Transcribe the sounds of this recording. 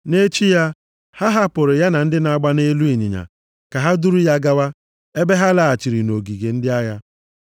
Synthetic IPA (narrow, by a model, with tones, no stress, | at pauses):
ne˦t͡ʃi˦ja˦ | ha˦ɦa˦pʊ˨ɾɪ˨ja˦na˨n̩˦dɪ˦na˨a˦ɡ͡ba˦ne˦lu˦i˨ɲḭ˨ɲa̰˨ | ka˨ɦa˦du˦ɾu˦ja˦ɡa˦wa˦ | e˦be˦ɦa˦la˨a˨t͡ʃi˨ɾi˨no˨ɡi˨ɡe˨n̩˦dɪ˦a˦ja˦